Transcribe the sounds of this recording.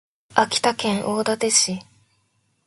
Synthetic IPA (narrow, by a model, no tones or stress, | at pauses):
akʲi̥t̪akẽ̞ɰ̃ʔoːd̪at̪e̞ɕi